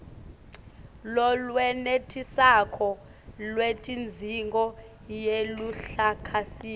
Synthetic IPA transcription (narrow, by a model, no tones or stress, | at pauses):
lɔlwɛnetʰisakʰɔ | lwetʼind͡zʱiŋɡɔ | jeluɬakʰasiː